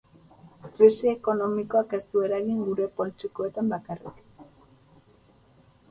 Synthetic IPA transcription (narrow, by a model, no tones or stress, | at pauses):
kɾisieko̞no̞miko̞ake̞st̪ue̞ɾaɣiŋɡuɾe̞po̞lt͡ʃiko̞e̞t̪ambakarḭk